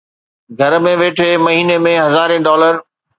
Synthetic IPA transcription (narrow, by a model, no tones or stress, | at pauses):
ɡʱɐɾmẽʋeːʈʰemɐɦiːnemẽɦɐzaːɾĩɖɔːləɾ